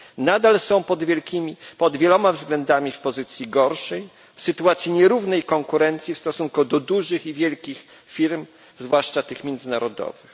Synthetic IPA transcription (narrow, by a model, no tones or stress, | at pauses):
nad̪alsɔ̃w̪̃ɛiipɔd̪vʲjɛlɔmavzɡlɛnd̪amʲifpɔzɘt̪sʲjiɡɔɾʂɛj | fsɘt̪uat̪sʲjiɲɛɾuvnɛjkɔŋkuɾɛnt̪sʲjifst̪ɔsuŋkud̪ɔd̪uʐɘxivʲjɛlkʲix | fʲiɾm | zvwaʂt͡ʂat̪ɘxmʲjɛnd̪zɘnaɾɔd̪ɔ̰vɘx